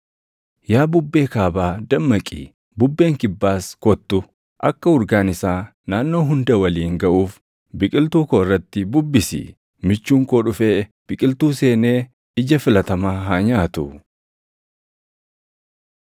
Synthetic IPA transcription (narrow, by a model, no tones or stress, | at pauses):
jaːbʊbːe̞ːkaːbaːd̪ɐmːɐkʼḭː | bʊbːe̞ːŋkɪbːaːskɔt̪ːʊ | ʔɐkːɐʊɾɡaːnɪsaː | naːnːo̞ːɦʊnd̪ɐwɐliːŋɡɐʔuːf | bɪkʼɪlt̪uːkoːɪrːɐt̪ːɪbʊbːɪsɪ̰ | mɪt͡ʃːuːŋkoːᶑʊfe̞ː | b̥ɪkʼɪlt̪uːseːne̞ː | ɪd͡ʒɐfɪlɐt̪ɐmaːɦaːɲaːt̪ʊ